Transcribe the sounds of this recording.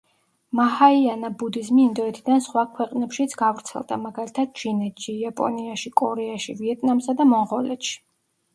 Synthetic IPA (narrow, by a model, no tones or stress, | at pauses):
mahaianabud̪izmiːnd̪ɔɛt̪ʰid̪ansχwakʰwɛqʼnɛpʃit̪sʰɡavɾt̪sʰɛ̰lˠd̪a̰maɡalit̪ʰad̪̚d͡ʒinɛt̪ʃiapʼɔ̰niaʃikʼɔɾɛaʃiviɛt̪ʼnamsad̪amɔɴʁɔlɛt̪ʃi̥